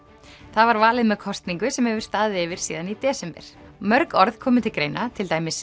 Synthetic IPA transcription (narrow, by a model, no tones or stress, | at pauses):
θaðvaɾvaːlɪðmɛðkʰɔst̪niŋkʏsɛmhɛvʏɾ̥st̪aːðɪɪːvɪɾ̥siːðanit̪ɛːsɛmpɛ̰ɾ̥mœɾkɔɾð̥kʰɔːmʏt̪ʰɪlkɾejnat̪ʰɪlt̪aːjmɪs